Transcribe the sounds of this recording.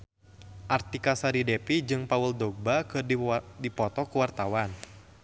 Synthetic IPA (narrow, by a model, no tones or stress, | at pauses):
ʔart̪ikasaɾidɛpid͡ʒɨŋpauldɔɡ̚bakɨrdipɔt̪ɔkuwart̪awan